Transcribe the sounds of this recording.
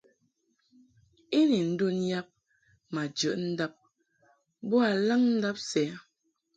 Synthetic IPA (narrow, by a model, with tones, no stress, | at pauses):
i˦li˨n̩˦do˦n˦ja˦p̚ | ma˨d͡ʒə˨ʔn̩˦da˦p̚ | bo˦a˨la˦ŋn̩˦da˦p̚sɛ˨˦